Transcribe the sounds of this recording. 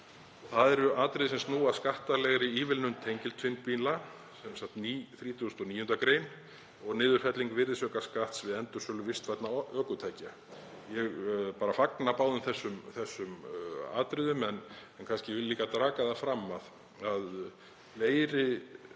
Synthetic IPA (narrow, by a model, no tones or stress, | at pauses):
θaðɛɾʏaːt̪ɾɪðsɛmst̪nuːaskaht̪alɛɣɾɪiːvɪlnʏmt̪ʰejɲcɪlt̪ʰfɪnt̪̚pinla | sɛmsaht̪niθɾiːt̪ʰust̪ɔniːjʏnt̪akɾeːjn | ɔɣnɪːðʏɾ̥fɛt̪liŋkvɪrðɪsœːkaskaht̪svɪðɛnt̪ʏ̥sœːlʏvɪst̪vɛt̪naʔœːkʏt̪ʰaːjca | jɛɣpaːɾafaknapaːwðʏmθɛsːʏmθɛsːʏma̰ːt̪ɾɪðʏmɛnɛnkʰanscɪvɪliːkat̪ɾaːkaðafɾamːað | að | leːjɾɪ